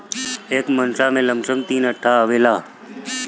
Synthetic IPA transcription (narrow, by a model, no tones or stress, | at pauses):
eːkmənsamẽləmʂəmt̪iːnəʈʰːaəʋeːlaː